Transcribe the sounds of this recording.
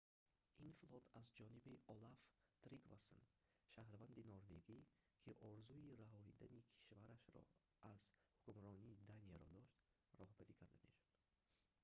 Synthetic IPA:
ʔinflɔt̪ʰazd͡ʒɔnibiʔɔlaft̪ɾiɡva̰so̰n | ʃahɾvand̪inɔɾve̞ɡi | kʰiʔɔɾzuiɾaɦɔhid̪anikʰi̥ʃvaɾaʃɾɔ̰ | ʔaz̥hukumɾɔniːd̪anijaɾɔd̪ɔʃt̪ | rɔhbaɾikʰaɾd̪ame̞̰ʃu̥d̪̥

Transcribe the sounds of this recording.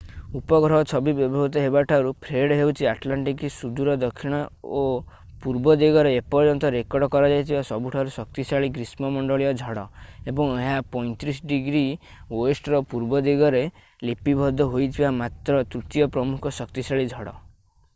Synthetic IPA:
upɔɡɾɔɦɔt͡ʃʰɔbibjɔbʱɔɦut̪ɔɦebaʈʰaɾupʰɾeɽɦewt͡ʃʰiaʈlaɳʈikisud̪uɾɔd̪ɔkʰːiɽ̃ɔo | puɾbɔd̪eɡɔɾeːpɔɾd͡ʒɔnt̪ɔɾekɔɖɔkɔɾɔd͡ʒajt̪ʰibasɔbuʈʰaɾusɔk̚t̪isaɭikɾismɔmɔɳɖɔɭijɔd͡ʒʱɔɽɔebɔŋeɦapɔj̃t̪ɾisɔɖiɡɾi | woesʈɾɔpuɾbɔd̪eɡɔɾe | lipibʱɔd̪ʱɔɦojt̪ʰibamat̪ɾɔt̪ɾut̪jɔpɾɔmukʰɔsɔkt̪isaɭid͡ʒʱɔɽɔ̰

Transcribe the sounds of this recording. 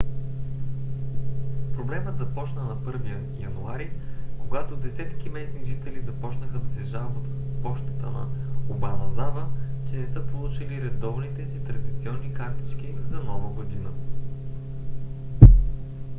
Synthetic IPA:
pɾoblɛməd̪zɐpɔt͡ʃnənɐpɤɾviə | jɐ̰nuaɾikoɡat̪od̪ɛsɛt̪kʲimɛsniʒit̪ɛlizɐpɔt͡ʃnəxəd̪ɐsɛʒalˠbot̪əpɔʃt̪ə̥t̪ə̰nɐ̰obanɐznavət͡ʃɛnɛsɤpolˠut͡ʃiliɾɛd̪ɔvnit̪ɛsit̪ɾɐd̪it̪siɔnːikaɾt̪i̥t͡ʃkʲizɐnɔvəɡod̪inə

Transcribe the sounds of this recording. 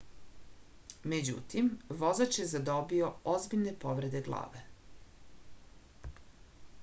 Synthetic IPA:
me̞d͡ʑṵt̪imʋo̞zat͡ʃje̞zad̪o̞bio̞ozbiʎne̞poʋɾe̞d̪e̞ɡlˠa̰ːʋe̞

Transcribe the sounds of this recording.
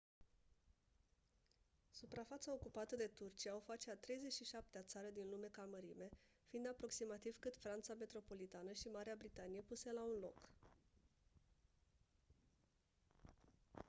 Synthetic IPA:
supɾafat̪sao̞kupat̪əd̪e̞t̪urt͡ʃiaofat͡ʃeat̪ɾe̞jze̞t͡ʃʃiʃap̚t̪eat̪saɾəd̪inlume̞kaməɾime̞ | fiind̪apɾo̞ksimat̪iv̥kɨt̪fɾant̪same̞t̪ɾo̞po̞lit̪anəʃimaɾeabɾit̪anije̞puselaunlo̞̰k

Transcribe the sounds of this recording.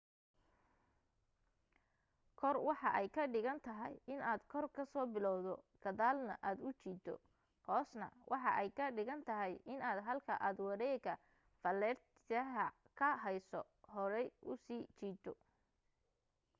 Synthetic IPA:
kʰɔrwɑħɑʔɛjkʰɐɖɪɣɐnt̪ʰɐɦɛ̰jɪnaːd̪kʰɔrkʰɐsɔːbɪlɔwðɔɡ̥ɐðaːlnɐʔaːd̪ʊt͡ʃiːt̪ʰɔ̰ | hɔːsnɐ̰wʔɑħɑʔɛjkʰɐɖɪɣɐnt̪ʰɐɦɛjʔɪnaːd̪ɦɐlkʰɐʔaːd̪wɑɾɛːɡɐ | fɐlɛːrt̪ʰɪɐɦɐ | kʰɐɦɛjsɔ | hɔɾɛjʔʊsiːt͡ʃiːt̪ʰɔ

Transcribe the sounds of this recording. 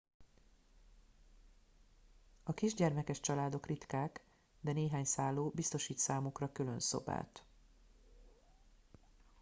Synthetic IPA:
ɒkiʒɟɛrmɛkɛʃt͡ʃɒlaːd̪o̞krit̪kaːk | d̪ɛneːɦaːɲsaːlːoːbist̪o̞ʃiːt̪saːmukrɒkylønso̞̰ba̰ːt̪

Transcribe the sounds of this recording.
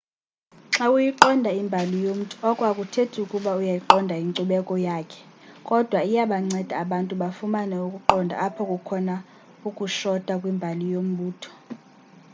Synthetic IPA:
ǁaujiǃɔndʱaimbʱalijom̩tʼuɔkʼwakʼutʰetʰukʼuɓaujajiǃɔndʱaiŋǀuɓɛkʼɔjaːkʰɛ̥ | kʼɔd̥ʱwaijaɓaŋ͡ǀɛd̥ʱaːɓantʼuɓafumanɛukʼuǃɔndʱa̰apʰɔkʼukʰɔna | ukʼuʃɔd̥ʼʱakʼwimbʱalijom̩ɓuːtʰɔ̥

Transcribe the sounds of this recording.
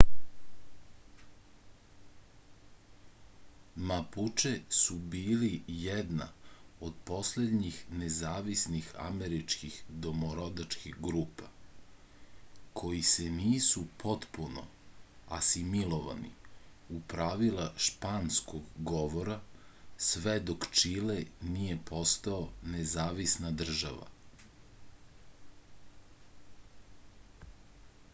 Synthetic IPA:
maput͡ʃesubiːlijɛd̪na̰od̪po̞sled̪ɲixnezaːʋisnixa̰meɾit͡ʃkixd̪omoɾod̪at͡ʃkixɡɾuːpa | kʰo̞jiseniːsupʰo̞t̪puno̰ | a̰similˠoʋa̰nḭupɾaʋilˠaʃpanskoɡɡoʋo̞ɾasʋed̪okt͡ʃilenijepʰo̞st̪aonezaːʋisnad̪r̩ʒa̰ʋa̰

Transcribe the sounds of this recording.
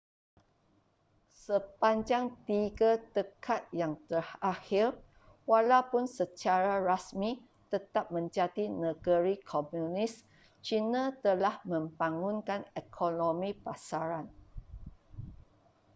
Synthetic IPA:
səpaɲd͡ʒaŋt̪iɡat̪əkʰat̪̚jaŋt̪ərhahir | walawpʊnsət͡ʃaɾaɾasmĩ | t̪ət̪ap̚mə̃ɲd͡ʒat̪inəɡəɾikʰomjunis | t͡ʃinãt̪əlahmə̃mbaŋunkanɛkʰonõmĩpasaɾan

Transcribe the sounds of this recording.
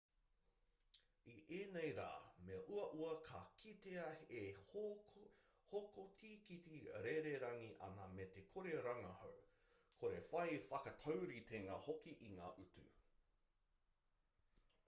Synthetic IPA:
iʔeːnejɾa̰ːmeɐʔuɐʔuɐkʰɐkʰiteɐeh | hokotʰiːkitiɾeɾeɾɐŋiʔɐ̰nɐmetekʰoɾeɾɐŋɐho̰w | kʰoɾefɐjfɐkɐtʰɐwɾit̪ʰeŋaːhokiʔiŋa̰ːʔutʉ̰

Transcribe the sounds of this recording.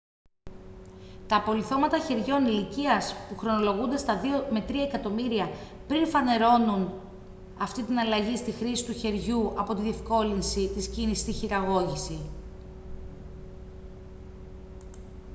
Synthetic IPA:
t̪ɐpo̞liθo̞mɐt̪ɐçe̞ɾʝo̞niliciɐspuxɾo̞no̞lo̞ɣund̪e̞st̪ɐðio̞me̞t̪ɾiɐekɐt̪o̞miɾiɐ | pɾinfɐne̞ɾo̞nun | ɐft̪it̪inɐlɐʝist̪ixɾisi̥t̪uçe̞ɾʝuɐpo̞t̪iðe̞fko̞linsit̪iscinisi̥st̪içiɾɐɣo̞ʝisi

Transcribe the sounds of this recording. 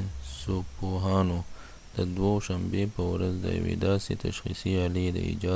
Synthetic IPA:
sopoɦɑːno | d̪̥əd̪woʃambepəwɾazd̪ə̰jɐ̰wḛd̪ɑːsit̪aʃxḭsiɑlid̪ə̰ḭd͡ʒɑ

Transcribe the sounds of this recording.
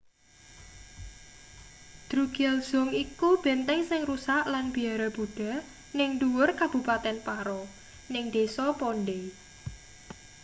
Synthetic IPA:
d̪̥ɾuɡ̥ɛlz̥ʊ̤ŋikub̥e̤nt̪ɛŋsɪŋrusaʔlanb̥i̤aɾab̥uɖ̥a̤ | nɪŋduwʊrkab̥ṳpat̪ɛnpaɾɔ | nɪŋd̪̥esɔponɖe

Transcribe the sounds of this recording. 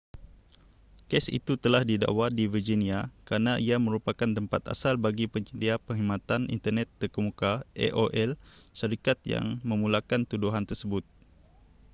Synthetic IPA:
kɛsḭt̪ut̪əlahdida̰ʔwadivərd͡ʒiniakəɾanaʔiamə̃ɾupakant̪əmpa̰t̪a̰salbaɡipəɲt͡ʃədiapəŋɦimãt̪anḭnt̪ərnɛt̪ːərkəmukaʔɛ̰ʔoʔɛlʃaɾikat̪̚ja̰ŋmə̃mulakant̪uduɦant̪ərsəbʊt̪̚

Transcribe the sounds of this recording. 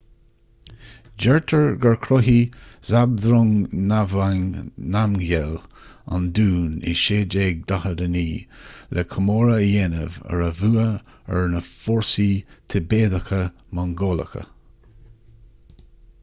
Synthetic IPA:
d͡ʒɛɹt̪ʰəɹɡəɹkʰɾɔɦiz̥ab̚d̪ɾʊŋnavaŋnamɡɛl | a̰nd̪uːnɪ̰ʃeːd͡ʒeːɡ̚d̪ahədəniːlʔɛkʰəmoːɹəjɛnə̰və̰ɹəvuːə | əɹnəfɔɹsit̪ʰəbeːd̪əkə | maŋɡoːlə̰kə̰

